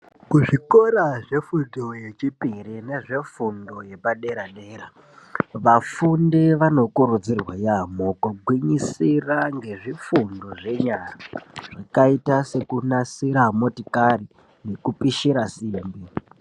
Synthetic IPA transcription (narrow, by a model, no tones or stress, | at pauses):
kuʐiko̞ɾaʐe̞futoje̞t͡ʃipiɾine̞ʐe̞fundo̞je̞paɗe̞ɾaɗe̞ːɾa | ʋafundeʋano̞kuɾud͡zirwajamokuɡʱwiɲisiraŋɡe̞ʐifundo̞ʐe̞ɲaraʐakaitase̞kunasiɾamotikari | ne̞kupiʃiɾasimbi